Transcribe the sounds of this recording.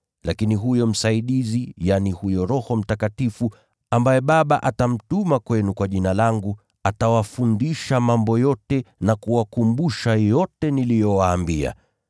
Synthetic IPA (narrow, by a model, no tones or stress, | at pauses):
lakiniɦujɔm̩saiɗizijanihujɔɾɔhɔm̩takatifu | ambajɛɓaɓaʔatam̩tumakwɛnukwaʄinalaŋɡu | atawafundiʃamambɔjɔtɛnakuwakumbuʃajɔtɛnilijɔwaːmbia̰